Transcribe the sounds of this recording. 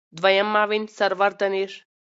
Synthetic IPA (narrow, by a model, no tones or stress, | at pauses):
d̪ʋɐjɐmːaʋinʲsɐɾʋɐɾt̪ɐniʂ